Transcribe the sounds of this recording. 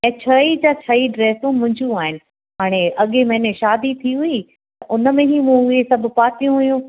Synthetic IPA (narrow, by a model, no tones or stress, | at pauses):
ɛ̃ːt͡ɕʰɐid͡ʑaːt͡ɕʰɐiɖɾeːsũmʊ̃ɦɪ̃ɲd͡ʑũaːɦɪnɪ̆ | ɦaːɽ̃eʔɐɠemɐ̃ɦɪ̃nẽʃaːd̪it̪ʰiɦʊi | ʔʊnəmẽɦimũʊɦesɐb̆ʱpaːt̪ijũɦʊjũː